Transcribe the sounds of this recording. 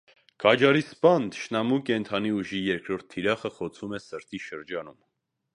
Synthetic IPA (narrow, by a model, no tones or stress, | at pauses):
kʰɑd͡ʒɑɾispɑnd̪ʃnɑmukɛnt̪ʰɑniuʒijɛɾkɾɔɾt̪ʰːiɾɑχəχɔt͡sʰumɛsəɾt̪iʃəɾd͡ʒɑnum